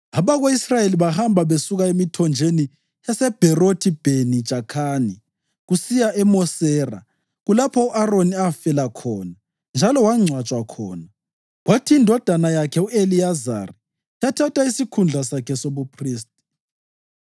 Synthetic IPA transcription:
aβaɣoisrajeliβahambʱaβesuɣaemitʰɔnd͡ʒʱeni | asɛb̥ʱɛrotʰib̥ʱeni̥ʒ̥ʱakʰaːni | ɣusijaʔɛmɔsɛːra̰ | ɣulapʰɔuʔaroniafɛlakʰɔːna | nd͡ʒʱalɔwaŋ͡ǀʱwat͡ʃʼwakʰɔ̰ːna | ɣwatʰiːndʱɔd̥ʱanajakʰɛueliaza̰ri | jatʰatʰaisikʰund͡ɮʱasakʰɛsoβupʰriːs̬tʼi̥

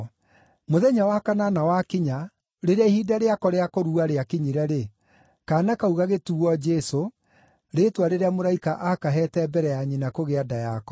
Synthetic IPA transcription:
moðɛɲawakananawakiɲa | ɾeɾeaihiːdaɾeakɔɾeakoɾuaɾeakiɲiɾɛɾe | kanakauɣaɣetuɔd͡ʒɛso | ɾetwaɾeɾeamoɾaikaʔakaɦɛtɛbɛɾɛjaɲinakoɣeadajakɔ̥

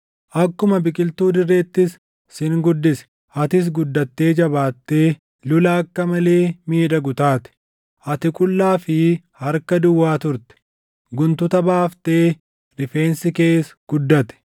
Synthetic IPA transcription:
ʔɐkːʊmɐbɪkʼɪlt̪uːd̪ɪrːeːt̪ːɪs | sɪŋɡʊd̪ːɪsɛ̥ | ɐt̪ɪs̬ɡʊd̪ːɐt̪ːe̞ːd͡ʒɐbaːt̪ːe̞ː | lʊlɐɐkːɐmɐle̞ːmiːᶑɐɡʊt̪aːt̪ɪ̥ | ʔɐt̪ɪkʼʊlːaːfɪ | hɐɾkɐd̪ʊwːaːt̪ʊɾt̪ɛ̥ | ɡʊnt̪ʊt̪ɐbaːft̪e̞ː | ɾɪfe̞ːnsɪke̞ːsɡ̥ʊd̪ːɐt̪ɛ̥

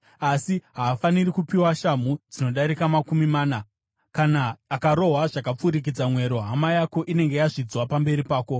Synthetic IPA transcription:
asiɦaːfanirikupiwaʃamud͡zino̞ɗaɾikamakumimaːna | kanaːkaɾo̞ɦwaʐakap͡fuɾik̬id͡zamwe̞ɾo̞ɦamajako̞ʔine̞ŋɡe̞jaʐid͡zwapambe̞ɾipaːko̞

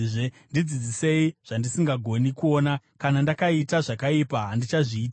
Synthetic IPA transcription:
ʐe | ndid͡zid͡zise̞iʐ̥andisiŋɡaɡʱo̞nikuo̞ːnakanandakaitaʐakaipaɦandit͡ʃaʐiːt

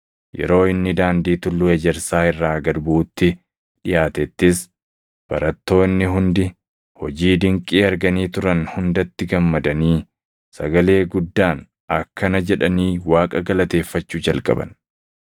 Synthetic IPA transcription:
jɛ̰ɾo̞ːɪnːɪd̪aːnd̪iːt̪ʊlːʊɛd͡ʒɛɾsaːɪrːaːɡɐɾbuːt̪ːɪ | ᶑɪjaːt̪ɛt̪ːɪs | b̥ɐ̰ɾɐt̪ːo̞ːnːɪɦʊnd̪ɪ | hɔd͡ʒiːd̪ɪŋkʼiːɐɾɡɐniːt̪ʊɾɐnhʊnd̪ɐt̪ːɪɡɐmːɐd̪ɐniː | sɐɡɐle̞ːɡʊd̪ːaːn | ɐkːɐnɐd͡ʒɛᶑɐniːwaːkʼɐɡɐlɐt̪e̞ːfːɐt͡ʃːuːd͡ʒɐlkʼɐ̰bɐ̰n

